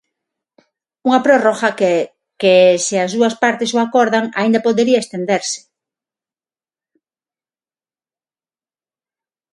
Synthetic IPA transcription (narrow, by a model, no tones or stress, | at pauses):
uŋapɾoroxak | keseazðuaspaɾt̪esoakoɾðaŋa̰ind̪apoðeɾiaest̪end̪eɾsɪ̥